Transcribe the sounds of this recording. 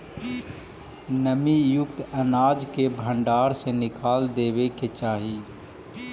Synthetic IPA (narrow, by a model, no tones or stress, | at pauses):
nəmijʊkt̪ənaːd͡ʒkebʱə̃ɳɖaːɾsenɪkʰaːld̪eːweket͡ʃaːɦiː